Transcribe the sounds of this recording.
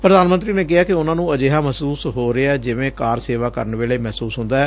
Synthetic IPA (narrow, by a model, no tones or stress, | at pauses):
pɾəd̪aːnmənt̪ɾiːneːk̬ɪɦaːkɪʊnãːnũːəd͡ʒeːɦaːməsuːsɦoːɾeaɛːd͡ʒɪʋẽːkaːɾseːʋaːkə̰ɾəɳʋeːɭeːmɛːsuːsɦʊ̃nd̪aːɛː